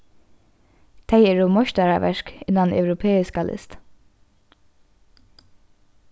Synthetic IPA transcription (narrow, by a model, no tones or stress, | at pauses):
t̪ʰejɛɹɔmɔʃt̪aɹaʋɛ̰ʃkɪnːanœ̰wɾʊpʰeːɪskalʔɪ̰st̪